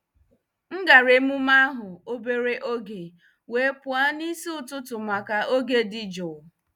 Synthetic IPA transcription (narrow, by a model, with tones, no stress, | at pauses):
ŋ̩˦ɡa˨ɾe˦mu˦ma˦ɦʊ˨o˦be˨ɾe˦ʔo˦ɡe˨ | we˦pʊ˦a˦ni˦si˦ʊ˨tʊ˦tʊ˨ma˨ka˨o˦ɡe˨dɪ˦d͡ʒɔ˨